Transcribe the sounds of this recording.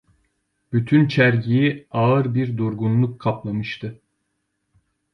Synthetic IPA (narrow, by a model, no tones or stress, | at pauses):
b̥yt̪ʰynt͡ʃʰæɾɟijiaɯɾbiɾd̪uɾɡunlˠukʰːaplˠamɯʃt̪ʰɯ